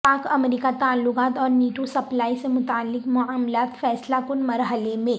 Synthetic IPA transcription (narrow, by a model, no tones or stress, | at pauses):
paːkɐmɾiːkat̪aːlːʊkaːt̪ɔːɾniːʈusɐplaːisemʊt̪aːlːɪkmʊaːmlaːt̪fɛːslakʊnmɐɾɦəlemẽ